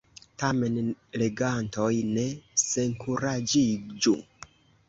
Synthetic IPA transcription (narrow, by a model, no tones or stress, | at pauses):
tamenleɡantojneseŋkʰuɾad͡ʒid͡ʒṵ